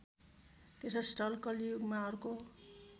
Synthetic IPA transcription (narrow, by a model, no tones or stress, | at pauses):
t̪esʌsʈʌlkʌlijuɡmaʌɾuko